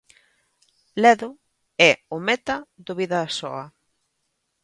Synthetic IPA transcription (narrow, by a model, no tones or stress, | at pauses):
lɛðʊ | ɛʊmɛt̪ɐðʊβiðɐːsɔɐ